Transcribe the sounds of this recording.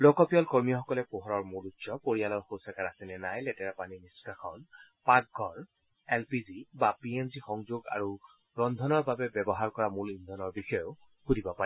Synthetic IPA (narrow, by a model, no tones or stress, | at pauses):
lokɔpijɔlkoɹmijɔxɔkɔlɛpoɦɔɹɔɹmulutːsɔpoɹijalɔɹxowsakaɹasɛnɛnajlɛtɛɹapaniniskaxʰɔnpaɡɡʱɔɹ | ɛlpizibapiemzixɔŋzoɡa̰ɹu | ɹɔnd̪ʱɔnɔɹbabɛbɛbɔɦaɹkɔɹamulind̪ʱɔnɔɹbixɔjo | kudʱibɔpa